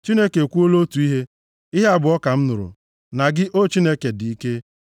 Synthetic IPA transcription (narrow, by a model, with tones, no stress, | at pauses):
t͡ʃi˦ne˦ke˨kʷu˦o˦lo˦tu˨i˦ɦe˦ | i˦ɦe˦a˦bʊ˨ɔ˦ka˨m̩˦nʊ˨ɾʊ̰˨ | na˨ɡɪ˦ʔo˦t͡ʃi˦ne˦ke˨dɪ˨i˦ke˦